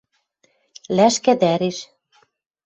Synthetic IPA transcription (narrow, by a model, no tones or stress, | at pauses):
læʃkæd̪æɾeʃ